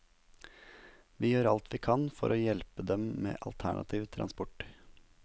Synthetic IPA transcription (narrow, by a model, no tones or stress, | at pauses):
ʋiːjøːɾɑlt̪ʰʋiːkʰɑnfɔ̰ɾʔoːjɛlpəd̪ɛmmḛːʔɑlt̪ʰæɳʔɑ̰t̪ʰiːʋt̪ʰɾʔɑnspɔʈ